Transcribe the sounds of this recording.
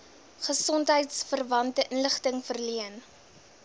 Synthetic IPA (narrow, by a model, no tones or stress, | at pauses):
χəsɔntɦəjtsfərvɐntəʔənləχtəŋfərliən